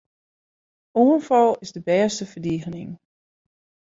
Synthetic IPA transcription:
ʔoːnfɔlˠɪsdəbɛːstəfəɹdiːɣənɪŋ

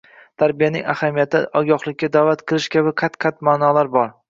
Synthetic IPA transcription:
t̪ʰaɾbijanɪŋahamijat̪ʰɪ̰ʔɒɡʲɒχlˠɪkʲːad̪avat̪qʰɨlˠɪʃkʲabɪqʰat̪qʰat̪maːnɒlaɾbɒɾ

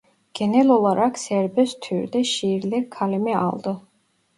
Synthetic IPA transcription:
ɡ̥ɛnɛlɔlˠaɾʔaksɛɾbɛst̪ʰyɾd̪ɛʃiɾlɛkʰalɛmia̰lˠd̪ə

